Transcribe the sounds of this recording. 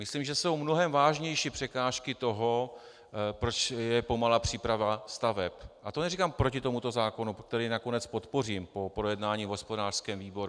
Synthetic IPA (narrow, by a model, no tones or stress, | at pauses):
mɪslimʒɛso̞wmno̞ɦɛmvaːʒɲɛjʃiːpr̥ɛkaːʃkɪt̪o̞ɦo̞ | pɾo̞t͡ʃjɛpo̞malapr̝̥iːpɾavast̪avɛpʔat̪o̞nɛrikampɾo̞cɪt̪o̞mut̪o̞zaːko̞nuk̚t̪ɛɾiːnako̞nɛt͡spo̞t̪po̞riːmpo̞pɾo̞jɛdnaːɲiːvɦo̞spo̞daːr̥skɛːmviːbo̞ɾu